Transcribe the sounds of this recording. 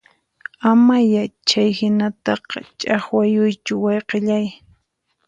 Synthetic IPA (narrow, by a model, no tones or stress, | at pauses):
amajat͡ʃajhɪnat̪ɑqɑ̰t͡ʃʼɑχwajʊjt͡ʃʊwɑjqɪʎaj